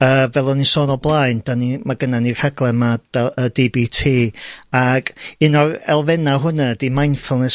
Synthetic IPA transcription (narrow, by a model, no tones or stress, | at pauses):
əːvɛlˠɔnisɔːnɔblˠaɨnd̥animaɡənanir̥aɡlˠɛmad̥aədibitʰiːaɡ̥ɪnɔrɛ̰lˠvɛnaɦʊnadimajnfɛlˠnɛs